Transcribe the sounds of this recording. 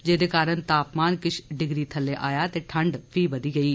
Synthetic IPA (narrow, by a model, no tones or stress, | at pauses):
d͡ʒeːd̪ekaːɾənt̪aːpmaːnkɪt͡ʃʰɖɪɡɾiːt̪ʰɐlːeʔaːjat̪eʈʰəɳɖpʰiːbɐd̪iːɡɐiː